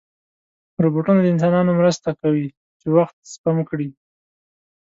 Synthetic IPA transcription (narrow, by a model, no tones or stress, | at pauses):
ɾoboʈunad̪əɪns̬ɑnɑnomɾəst̪akawi | t͡ʃewaxt̪̚spamkɽi